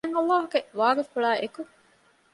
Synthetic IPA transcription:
ŋɐlːaːɦuɡeʋaːɾifuɭaːʔeku

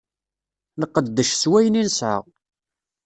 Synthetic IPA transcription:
nəqːəd̪ːəʃswæjninsə̰ʁ

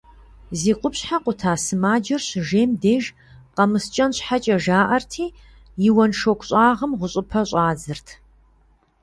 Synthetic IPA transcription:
ziːqʷʊpɕħaqʷʊtʰaːsɨmaːd͡ʒɐrɕʒeːmdeːʒ | qɐmɨst͡ʃʼɐnɕħat͡ʃʼɐʒaːʔɐrtʰiː | jɪwɐnʂokʷʰʼɕʼɑːʁəmʁʷʊɕʼɪpʰɐɕʼaːd͡zɨrtʰ

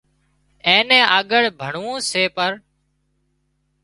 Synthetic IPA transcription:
ẽːnẽːʔəɠəɽbʱəɳũːseːpəɾ

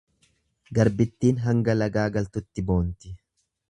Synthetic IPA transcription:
ɡɐɾbɪt̪ːiːnɦɐŋɡɐlɐɡaːɡɐlt̪ʊt̪ːɪbo̞ːnt̪ɪ

